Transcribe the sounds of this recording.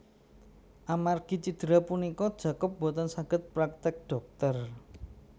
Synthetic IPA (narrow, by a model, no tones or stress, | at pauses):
ʔamarɡ̥i̤t͡ʃid̪̥əɾapunikɔd̥ʒ̥ä̤kʊp̚bot̪ənsaɡ̥ə̤t̪̚pɾak̚t̪ɪk̚ɖ̥ɔ̤k̚t̪ər